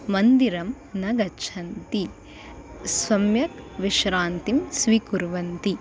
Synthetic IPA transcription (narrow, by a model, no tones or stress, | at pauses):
mɐnd̪iɾɐm | nɐɡɐt͡ʃʰɐnt̪i | sʋɐmjɐkʋiʃɾaːnt̪imsʋikuɾʋɐnt̪i